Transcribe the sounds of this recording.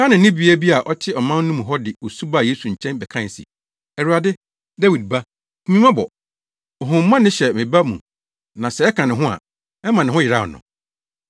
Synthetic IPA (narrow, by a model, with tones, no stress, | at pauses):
a˦nɪ̃˨˦nɪ̃˦bi˨˦a˦bi˦a˨ʔɔ˦tʰɪ˦ɔ˨mã˦n˦nũ˦m̃˨ɦɔ˦dɪ˨o˨su˦ba˦˨jeː˦su˨ɲ̩˨t͡ɕʰɛ̃˦nbɛ˨kʰã˦n˨sɪ̰˨ | ɛ˨ɾu˨a˨dɪ˦ | da˦wi˨d̚ba˦ | mĩ˦mã˦bɔ̰˨ | ɔ˨ɦʊ̃˨m˦mã˦nɪ̃˦ɕɛ˨mɪ̃˨ba˦mũ˨ | nã˨sɛ˨ɛ˦kʰã˨nɪ̃˨ɦʊ̃˦a̰˨ | ɛ˦mã˨nɪ̃˨ɦʊ̃˦jɪ˨ɾa˦˨nʊ̰̃˨